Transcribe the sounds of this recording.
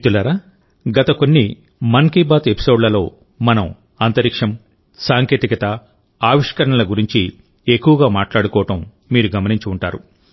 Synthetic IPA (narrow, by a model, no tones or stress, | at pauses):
t̪ulaɾaː | ɡɐt̪ɐko̞nːi | mɐnkiːbaːt̪epi̥so̞ːɖlɐlo̞ː | mɐnɐm | ɐnt̪ɐɾikʂɐm | saːŋkeːt̪ikɐt̪ɐ | aːʋiʂkɐɾɐɳɐlɐɡuɾiɲt͡ʃi | ekːuʋɐɡaːmaːʈlaːɽukɔːɐʈɐmː | iːɾuɡɐmɐniɲt͡ʃuuɳʈaːɾu